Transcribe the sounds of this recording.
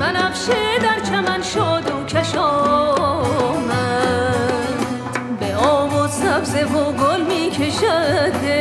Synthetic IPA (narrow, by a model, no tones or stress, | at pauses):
mænæfʃed̪æɾt͡ʃʰæmænʃɔːd̪okʲʰæʃɔː | mæ | beɔːbozsæbzevoɡolmiːkʰeʃæd̪e